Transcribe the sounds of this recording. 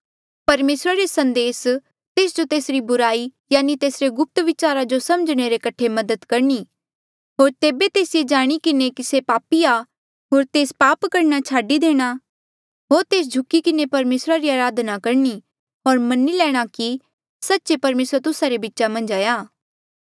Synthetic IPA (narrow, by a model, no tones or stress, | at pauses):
pɐɾmeːsɾaɾesɐ̃nd̪eːs | t̪eːs̬d͡ʒot̪eːsɾibʊɾaːijaːnit̪eːsɾeɡʊp̚t̪ʋɪt͡ʃaːɾad͡ʒosɐməd͡ʒɽ̃eɾekɐʈʰemɐd̪əd̪kɐɾɳiː | ɦoːɾt̪eːbet̪eːsɪjed͡ʒaːɽ̃ikɪnekisepaːpiaː | ɦoːɾt̪eːspaːpkɐɾnat͡ʃʰaːɖid̪eːɽ̃a | ɦoːɾt̪eːs̬d͡ʒʱʊkikɪnepɐɾmeːsɾaɾiaːɾaːd̪nakɐɾni | ɦoːɾmɐnilɛːɽ̃aki | sɐtːʃepɐɾmeːsɾt̪ʊsaɾebɪtːʃamɐ̃nd͡ʒaːjaː